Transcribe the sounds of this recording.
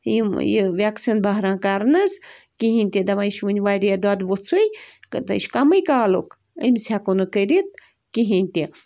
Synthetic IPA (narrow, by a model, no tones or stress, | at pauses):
jimjḭʋʲaksinbɐɦɾãːkaɾnɐs | kiɦinʲt̪ʲid̪ɐmaiʃʋunʲʋaɾʲiad̪uad̪ʋut͡sʰujkɨt̪ɐ̰ʃkɐmɨjkaːlo̰k | ə̰msʲakonukəɾit̪̚ | kiɦinʲt̪ʲi